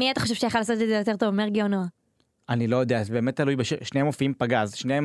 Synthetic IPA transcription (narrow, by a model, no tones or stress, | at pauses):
miat̪ḁχoʃevʃejaχalaːsot̪zezejot̪̬e̞ʁt̪ovmeʁɡionoa | anilo̞jod̪eazebe̞ːmet̪̚tːalujbeʃeʃnehemofiimpaɡazʃnejem